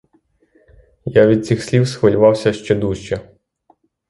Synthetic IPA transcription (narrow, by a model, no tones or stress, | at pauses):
jaʋʲid̪̚t͡sʲixsʲlʲiwsxʋɐlʲʊʋɑwsʲɐʃt͡ʃɛd̪uʃt͡ʃɛ